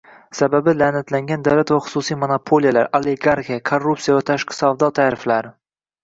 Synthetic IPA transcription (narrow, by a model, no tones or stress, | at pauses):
sababɪlanɪt̪laŋɡʲand̪awlat̪vaχʊ̥susijmonapʰolijalaɾoleɡaɾxijakʰorːupsijavat̪ʰaʃqʰɪ̥savd̪ɒt̪ʰaːɾɪflaɾ